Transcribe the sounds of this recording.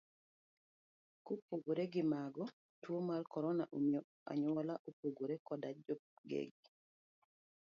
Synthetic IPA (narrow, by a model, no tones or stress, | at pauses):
kopoɡoɾeɡɪmaɡɔ | twomalkɔɾɔnaʔomio | a̰ɲwɔlaʔopoɡoɾekɔdad͡ʒoɡḛɡ